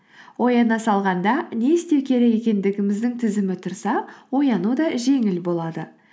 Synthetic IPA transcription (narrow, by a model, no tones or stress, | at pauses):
wo̞jɑnɑsɑlˠʁɑnd̪ɑne̞jɪst̪e̞ɾkʲʰe̞ɾɪje̞kʲe̞nd̪ɪɡʲɪmɪzd̪ɪŋt̪ʰɪzɪmɪt̪ʰʊɾsɑwo̞jɑnud̪ɑʒe̞ŋɪlbo̞lˠɑd̪ə